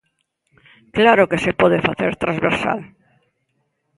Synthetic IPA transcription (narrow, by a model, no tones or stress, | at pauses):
klaɾokesepɔðefaθeɾt̪ɾazβeɾsa̰l